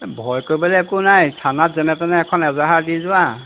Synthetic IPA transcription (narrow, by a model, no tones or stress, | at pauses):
bʱɔjkoɹibɔlɛɛkʊnajsʰanatzɛnɛtɛnɛɛkʰɔnɛzaɦaɹdizʊwa